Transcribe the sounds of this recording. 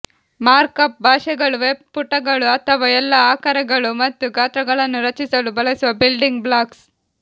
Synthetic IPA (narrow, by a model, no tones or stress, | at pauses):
maːɾkɐp̚bʱaːʂɛɡɐɭuʋeb̚puʈːɐɡɐɭuɐt̪ʰɐʋɐɛlːɐaːkɐɾɐɡɐɭumɐt̪ːuɡʱaːt̪ɾɐɡɐɭɐnːuɾɐt͡ʃisɐlubɐlɐsuʋɐbilɖiŋɡblaːks